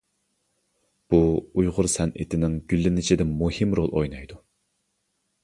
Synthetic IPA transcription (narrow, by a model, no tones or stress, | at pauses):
b̥uujʁʊɾsɛnʔɪ̰t̪ʰɪnɪŋɡʲylːɪnɪt͡ʃʰɪd̪ɪmuhimɾolˠo̰jnɑjd̪u